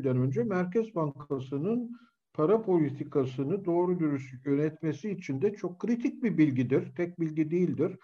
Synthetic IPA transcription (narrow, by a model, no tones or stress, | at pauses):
d̪ænø̞nd͡ʒɛmæɾcɛzbaŋkʰasɯnɯn | pʰaɾapʰo̞lʲit̪ʰikʰasɯnɯd̪o̞ːɾud̪yɾysjø̞nɛt̪me̞siːt͡ʃʰind̪ɛt͡ʃʰo̞kʰːɾit̪ʰic̚bibilʲɟid̪iɾ̥t̪ʰɛc̚bilʲɟid̪ejilʲd̪iɾ̥